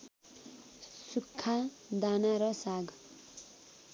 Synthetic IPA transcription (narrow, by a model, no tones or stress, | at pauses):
sukʰːa | d̪anaɾʌsaɡ